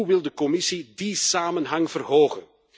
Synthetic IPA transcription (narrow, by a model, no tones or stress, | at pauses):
uʋɪlˠdəkɔmɪsidisaːmənɦɑŋv̥ərɦoːɣən